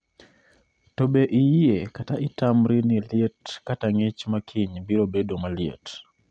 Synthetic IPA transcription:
tobeʔijiekataʔɪtamɾiniljetkataŋɪt͡ʃmakʰiɲbiɾobedomaljḛt

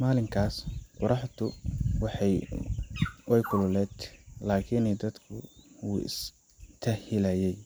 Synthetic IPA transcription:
maːlɪŋkʰaːsqʊɾɑħt̪ʰʊwɑħɛj | wɛjkʰʊlʊlɛːd̪laːkʰiːnɛjd̪ɐd̪kʰʊṵːɪ̰s | t̪ʰɐhɪlaːjɛj

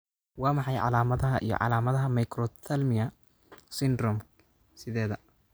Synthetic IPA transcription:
wɑːmɑħɑjʕɑ̰laːmɐðɐɦɐʔḭjɔ̰ʕɑ̰laːmɐðɐɦɐmɐjkɾɔt̪ʰɐlmɪjɐ | sɪnd̪ɾɔm | sɪðɛːðɐ

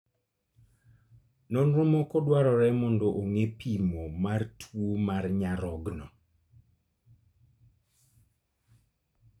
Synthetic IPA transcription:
nɔnɾʊmɔkɔdwaɾɔɾɛmɔndɔʔoŋepʰimomartʰwomarɲaɾɔɡnɔ

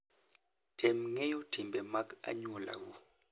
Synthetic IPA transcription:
tʰɛmŋejotʰimbɛmaka̰ɲola̰wu

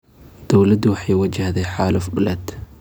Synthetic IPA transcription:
d̪̥ɔwlɐd̪ʊwɑħɑjwɐd͡ʒɐhd̪ɛjħaːlʊfbʊlɛd̪

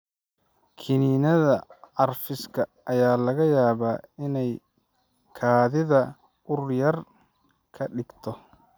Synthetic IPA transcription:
kʰɪniːnɐðɐʕɑrfɪskʰɐːjaːlɐɣɐjaːβaːɪnɛj | kʰaːðɪðɐ | ʊrjɐr | kʰɐɖɪɡt̪ʰɔ

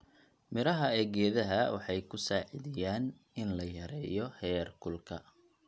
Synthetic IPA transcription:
mɪɾɐɦɐɛːɡɛːðɐɦɐwɑħɑjkʰʊsaːʕɪðɪjaːn | ɪnlɐjɐɾɛːjɔhɛːrkʰʊlkʰɐ

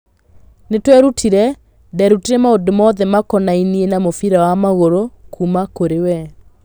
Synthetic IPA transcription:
netwɛɾutʰiɾɛ | dɛɾutiɾɛmaodomɔðɛmakɔnainienamofiɾawamaɣoɾokʰumakoɾewɛ

